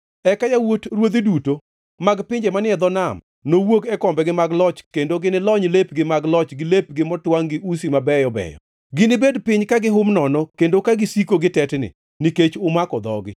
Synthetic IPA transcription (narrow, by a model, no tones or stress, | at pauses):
ɛkajawotɾwod̪iduto | maɡpɪɲd͡ʒemanɪɛd̪ɔnam | nowoɡɛkɔmbɛɡɪmaɡlɔt͡ʃkendoɡɪnɪlɔɲlepɡɪmaɡlɔt͡ʃɡɪlep̚ɡɪmɔtwaŋɡɪʔus̬imabɛjɔbɛ̰jɔ̰ | ɡɪnɪbedpɪɲkaɡɪɦʊmnɔnɔkendokaɡɪsikoɡɪtɛtnɪ̰ | niket͡ʃʊmakɔd̪ɔ̰ɡɪ̰